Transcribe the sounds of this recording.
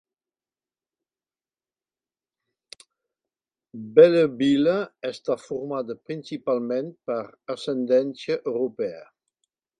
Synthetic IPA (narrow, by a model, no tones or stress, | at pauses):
bɛləbiləɛst̪afuɾmad̪əpɾinsipalmenpəɾasɛnd̪ɛnsjəʔøwɾupɛə̰